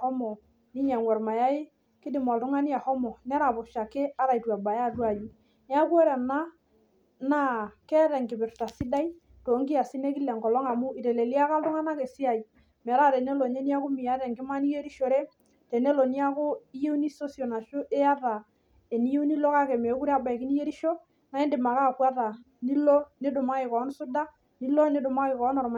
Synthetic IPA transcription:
hɔ˦mɔ˨ | ni˦ɲa˨ŋwɛ˨ɾma˨ja˦ɪ˦ | kɪ˦dɪ˨mɔ˨ltʊ˦ŋa˦ni˦a˨hɔ˦mɔ˨nɛ˦ɾa˨pʊ˨ʃa˨ke˦a˦ɾa˨i˨twa˨ba˨ja˦˨twa˨ju˨˦ | n˦a˦ku˦o˦ɾɛ˨na˦ | na˦kɛ˦ɾɛ˨ŋkɪ˨bɪ˨ɾta˨sɪ˦da˦i˦ | to˨˦ŋki˦a˨si˦ne˦kɪ˦lɛ˨ŋkɔ˨lɔ˦ŋa˨mu˦i˨te˨le˨li˦a˦ka˦ltʊ˦ŋa˦na˦ke˨si˦a˨i˨ | mɛ˨ɾa˦˨te˨ne˦lo˨ɲe˦ni˦a˦ku˦mi˨a˦ɾɛ˨ŋɡɪ˦ma˦ni˦je˦ɾi˦ʃo˨ɾe˦ | te˨ne˦lo˨ni˦a˦kʊ˦i˦je˦u˦ni˦so˦sjo˨na˨ʃo˦ʔe˦a˦ta˨ | e˨ni˦je˦u˦ni˦lo˦ka˦kɛ˨me˨˦ku˦ɾa˦ba˨i˨ki˦ni˦je˦ɾi˦ʃo˦ | na˦ɪ˦ndɪ˨ma˨ka˦˨kwa˦ta˨ | ni˦lo˦ni˦dʊ˨ma˦kɪ˨kɔ˨˦nsʊ˦da˦ | ni˦lo˦ni˦dʊ˨ma˦kɪ˨kɔ˨˦nɔ˨ɾma˨

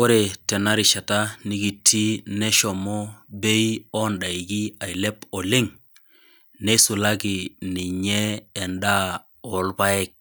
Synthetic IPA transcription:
o˦ɾe˨tɛ˨na˦ɾi˨ʃa˨ta˦ni˦ɡi˨tʰːi˦ne˦ʃɔ˨mo˦be˦i˦ɔ˦nɗa˨i˨ɡi˦a˨i˨le˦pɔ˨lɪ˦ŋ | ne˦su˨la˦ɡi˨ni˨ɲɛ˦ɛ˨nda˦ | o˨lba˦ɛ˦k̚

